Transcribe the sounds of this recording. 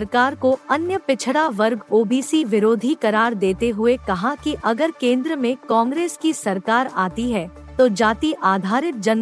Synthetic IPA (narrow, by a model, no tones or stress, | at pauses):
ɐɾkaːɾkoɐnjəpɪt͡ʃʰɽaʋɐɾɡoːbiːsiʋɪɾoːd̪ʱikɐɾaːɾd̪eːt̪eɦʊekɐɦãkiʔɐɡəɾkẽːnd̪ɾəmẽkɔ̃ːŋɡɾeːskisɐɾkaːɾa̰ːt̪iɦɛ | t̪od͡ʒaːt̪iʔaːd̪ʱaːɾɪt̪̚d͡ʒɐn